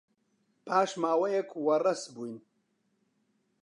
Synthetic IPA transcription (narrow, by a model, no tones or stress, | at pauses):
pʰaːʃmaːwɐjɛkʰwɐrɐsbuːjn